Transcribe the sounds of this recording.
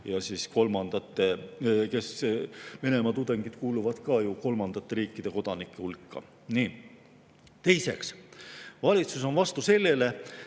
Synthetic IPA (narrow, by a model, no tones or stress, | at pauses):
jɑsiːsko̞lmɑnd̪̥ɑt̪ːˑe̞ke̞sve̞ne̞mɑt̪ud̪̥e̞ŋɡid̪̥kuːluvɑd̪̥kɑːjuko̞lmɑnd̪̥ɑt̪ːe̞ɾiːkːˑid̪e̞ko̞d̪̥ɑnikːˑe̞ulkːɑ̰ | niː | t̪e̞jse̞̰ks | vɑlʲit̪sus̬o̞nvɑst̪use̞lːe̞le̞